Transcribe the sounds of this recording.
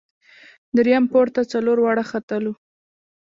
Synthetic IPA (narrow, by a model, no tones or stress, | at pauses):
d̪əɾjampoɾt̪at͡saloɾwɑɽaxat̪əlu